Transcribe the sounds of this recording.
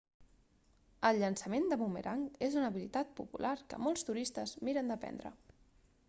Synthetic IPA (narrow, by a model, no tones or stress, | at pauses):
əlˠʎənsəmend̪əmumḛɾʔaŋezunəβilit̪at̪̚pupulʔaɾkə̰mɔlˠst̪uɾist̪əzmiɾənd̪əpɛ̰nd̪ɾə̰